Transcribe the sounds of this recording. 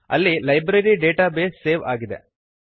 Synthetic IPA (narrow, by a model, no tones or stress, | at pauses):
ɐ̰lːilɐjbɾɐɾiɖeːʈaːbeːsːeːʋaːɡid̪ḛ